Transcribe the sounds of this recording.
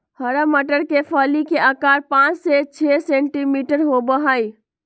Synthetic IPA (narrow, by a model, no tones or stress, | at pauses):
həɾəməʈəɾkepʰəlikeakaːɾpãt͡ʃset͡ʃʰeseɳʈimiʈəɾɦobəɦaj